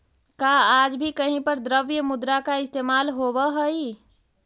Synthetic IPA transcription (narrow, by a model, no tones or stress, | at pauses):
kaaːd͡ʒbʱikəɦĩpəɾd̪ɾəʋjəmʊd̪ɾakaɪst̪eːmaːlɦoːbəɦəi